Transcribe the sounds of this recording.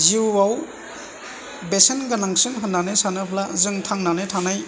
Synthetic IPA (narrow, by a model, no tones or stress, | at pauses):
ziwwaw | besenɡanaŋsɯnɦɯnːanesanɯpʰlazɯŋtʰaŋnanɯtʰanaj